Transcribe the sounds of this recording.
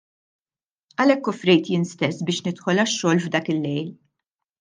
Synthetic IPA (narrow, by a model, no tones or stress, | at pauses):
ɐlɛkːɔfɾɛjt̪jɪːnst̪ɛsːbɪːʃnɪt̪ħɔlɐʃːɔːlvd̪ɐːkɪlːɛjl